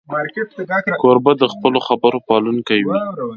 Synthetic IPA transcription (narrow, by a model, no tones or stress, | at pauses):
mɾkeʈkoɾbad̪əxpəloxabəɾopɑlunkawi